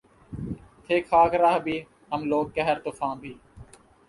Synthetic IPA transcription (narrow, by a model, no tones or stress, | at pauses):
t̪ʰeːkʰaːkɾaːɦbʱiː | ɦəmloːɡ̚kɛɦəɾt̪oːfʰãːbʱiː